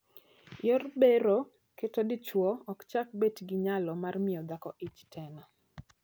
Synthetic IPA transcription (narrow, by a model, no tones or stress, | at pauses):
jɔrbeɾo | ketɔdɪt͡ʃwɔɔkt͡ʃak̚betɡɪɲalɔmarmɪɔd̪akɔʔit͡ʃtʰɛna